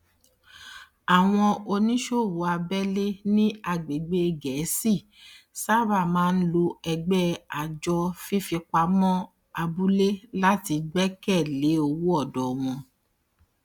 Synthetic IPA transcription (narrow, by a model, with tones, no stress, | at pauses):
a˨w̃ɔ̃˧o˧nĩ˦ʃo˦˨wu˨˦a˧bɛ˦le˦nĩ˦a˧ɡ͡be˨ɡ͡be˦˧ɡɛ˨˦si˦˨ | sa˦ba˦˨mãː˦n̩˦lo˧ɛ˧ɡ͡bɛ˦a˨d͡ʒɔ˧fi˦fi˧k͡pa˧˦mɔ̃˦ | a˧bu˦le˦la˦ti˧ɡ͡bɛ˦kɛ˦˨le˨˦o˧wu˦ɔ˦˨dɔ˨w̃ɔ̃˧